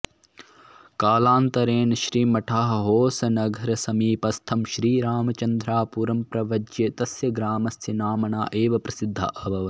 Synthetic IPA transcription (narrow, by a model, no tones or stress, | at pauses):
kaːlaːnt̪ɐɾeːnʃɾiːmɐʈʰaːɦɐɦoːsɐnɐɡʱɐɾɐsɐmiːpɐst̪ʰɐmʃɾiːɾaːmɐt͡ʃɐnd̪ɾaːpuɾɐmpɾɐʋɐd͡ʒjɐt̪ɐsjɐɡɾaːmɐsɐnaːmɐɳa̰ːʔeːʋɐpɾɐsid̪ʱːɐ̰ʔɐbʱɐʋɐ